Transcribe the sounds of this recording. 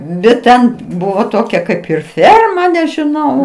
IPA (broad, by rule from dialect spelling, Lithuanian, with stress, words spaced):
bʲɛt ˈtʲɛn ˈbʊʋoː ˈtoːkʲɛ ˈkɐɪp ɪr ˈfʲɛrmɐ nʲɛʒʲɪˈnɐʊ